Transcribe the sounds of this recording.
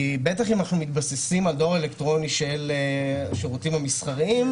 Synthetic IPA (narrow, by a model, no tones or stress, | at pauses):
ibet̪aχimanaχnumit̪basesimaldo̞ʁe̞lekt̪ʁo̞niʃeleʃeʁutimamisχaʁim